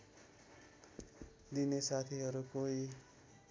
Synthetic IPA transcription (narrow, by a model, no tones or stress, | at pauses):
d̪inesat̪ʰiɦʌɾukoi